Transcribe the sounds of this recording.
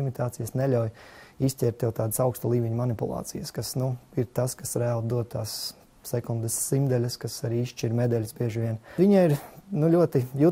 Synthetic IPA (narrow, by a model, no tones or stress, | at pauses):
imit̪aːt̪sijasnɛʎʲawjisʲtʲɛɾt̪jɛwt̪aːd̪sawkst̪alˠiːvʲiɲumanipulˠɑ̰ːt̪sijɐskasnuiɾt̪askasɾælˠd̪uɔt̪̚t̪ːaːsː | ɛkund̪əsːimd̪ɛlʲɐskasaɾiːisʃt͡ʃiɾmɛd̪ɛlʲsbiɛʒʋiɛnviɲaiɾnulʲuɔt̪iju